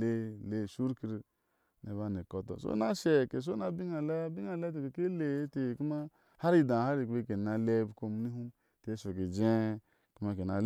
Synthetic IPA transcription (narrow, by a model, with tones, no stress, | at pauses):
e˦le˦˨su˦ɾki˨˦ɾ | ne˨βa˦˨ne˨ko˦tɔ̰˨so̰˦na˦ʃe˨ke˨s̬o˦na˨bi˦ŋa˨la˦bi˦ŋa˨le˦t̬e˨ke˨ke˦le˨˦te˨ku˦ma˦ | ha˦ɾi˦dã˨a˦ɾi˨ke˦ke˨na˨le˦bko˦m˦ni˦ɦu˦m | tːso˨ke˨d͡ʒe˦ | ku˦ma˦ke˨na˨l